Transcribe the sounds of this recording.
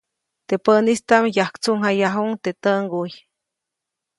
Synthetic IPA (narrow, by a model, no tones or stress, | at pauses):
t̪epənist̪amjahkt͡suŋɦajaɦuŋt̪et̪əŋɡuj